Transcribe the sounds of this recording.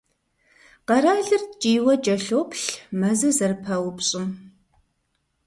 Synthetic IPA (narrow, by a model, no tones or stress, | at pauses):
qɐɾaːɮɨrt͡ʃʼiːwɐt͡ʃʼɐɬoːpɬmɐzɐzɐrpʰɐwʊpɕʼɪm